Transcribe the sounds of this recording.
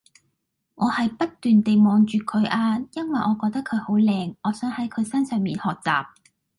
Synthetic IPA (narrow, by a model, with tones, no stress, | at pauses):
ŋʔɔː˨˧hɐ˨jpɐ˥t̚t̪yː˨nt̪e˨jmɔː˨˧ŋt͡ʃyː˨kʰɵ˨˧˥ɥʔaː˧jɐ˥nwɐ˨jʔɔː˨˧kɔː˧k̚t̪ɐ˥kʰːɵ˨˧ɥho˨˥wlɛː˧ŋɔː˨˧sœː˨˥ŋhɐ˨˥jkʰɵ˨˧ɥsɐ˥nsœː˨ŋmiː˨nhɔː˨k̚t͡sa̰ː˨˩p̚